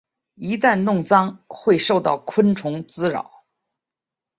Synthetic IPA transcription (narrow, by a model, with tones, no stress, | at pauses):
i˧˥t̪a˥˧nnʊ˥˩ŋt͡sɑ˥ŋxwe˥˧ɪʂo˥˧ʊt̪ɑ̰˥˩ʊkʰwə˥nʈ͡ʂʰʊ˧˥ŋt͡sɹ̩˥ɻɑ̰˨˩˦ʊ